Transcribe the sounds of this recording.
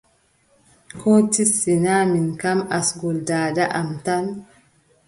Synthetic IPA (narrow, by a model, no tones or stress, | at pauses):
kʰoːt̪isɪnaːmɪŋkɐmɐsɡʊld̪aːdɐʔɐmt̪ɐn